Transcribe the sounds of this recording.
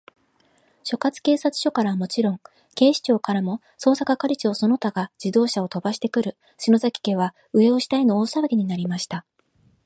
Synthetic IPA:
ɕo̞kat͡sɨ̥ke̞ːsat͡sɨ̥ɕo̞kaɾaβamo̞t͡ɕiɾõ̞ŋ | ke̞ːɕi̥t͡ɕo̞ːkaɾamo̞ | so̞ːsakakaɾʲit͡ɕio̞so̞no̞t̪aɡad͡ʑ̥id̪o̞ːɕao̞t̪o̞baɕi̥t̪e̞kɯ̟ɾɯ̟ | ɕino̞zakʲi̥ke̞βa | ɯ̟e̞o̞ɕi̥t̪aino̞ːsaβaɡʲiɲ̟inaɾʲimaɕi̥t̪a

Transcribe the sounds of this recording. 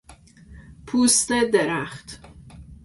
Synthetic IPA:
pʰuːst̪ed̪eɾæχt̪

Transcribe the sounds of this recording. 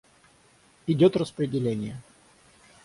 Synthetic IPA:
ɪdʲot̪rəspɾʲɪdʲɪlʲenʲɪjə

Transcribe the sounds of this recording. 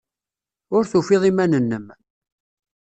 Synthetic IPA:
ʊɾθufɪðˤimænənːəm

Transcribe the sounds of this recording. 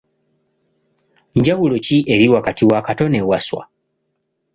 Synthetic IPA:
ɲɟawulociʔe̞ɾiwakatiwakato̞newaswa̰

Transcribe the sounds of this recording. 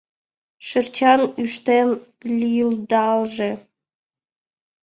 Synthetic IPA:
ʃɘrt͡ɕɑnyʃt̪emplʲild̪ɑlˠʒĕ

